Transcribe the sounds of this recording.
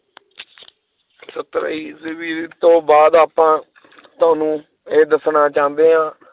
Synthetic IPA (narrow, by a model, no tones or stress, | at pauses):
sət̪ɾə̰ːiːzʋiːɾt̪õːbaːd̪aːpãː | t̪ʊaːnũː | eːd̪əsnaːt͡ʃãːnd̪eːɦãː